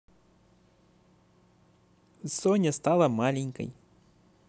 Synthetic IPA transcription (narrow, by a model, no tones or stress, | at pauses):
sonʲəst̪alˠəmalʲɪnʲkə̰j